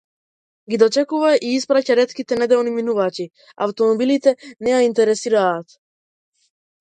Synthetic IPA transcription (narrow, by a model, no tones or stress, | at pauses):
ɡid̪ɔt͡ʃɛkuvaʔiispɾacaɾɛt̪kit̪ɛnɛd̪ɛlniminuvaci | a̰ft̪ɔmɔbilit̪ɛnɛjaint̪ɛɾɛsiɾaːt̪